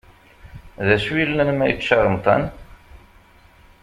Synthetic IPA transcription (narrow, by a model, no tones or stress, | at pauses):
ðæswilːənmæjəkʃɑɾˤəmt̪ˤɑ̰n